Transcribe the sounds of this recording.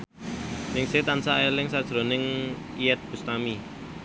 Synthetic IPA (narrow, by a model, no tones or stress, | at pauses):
nɪŋset̪ansaelɪŋsad̥ʒ̥ɾo̤nɪŋ | ijɛt̪̚b̥ṳst̪ami